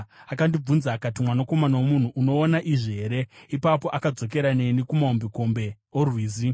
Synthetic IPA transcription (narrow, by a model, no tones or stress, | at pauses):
akandib͡vunzaːkatimwanako̞manawomun̤uʔːno̞ːnaʔiʐiɦe̞ɾe̞ipapo̞ʔakad͡zo̞k̬e̞ɾane̞nikumaombiko̞mbe̞ | orwiːzi